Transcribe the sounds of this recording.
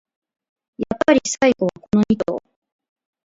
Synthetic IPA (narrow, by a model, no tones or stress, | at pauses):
japːaɾʲisaiɡo̞βako̞no̞ɲ̟it̪o̰ː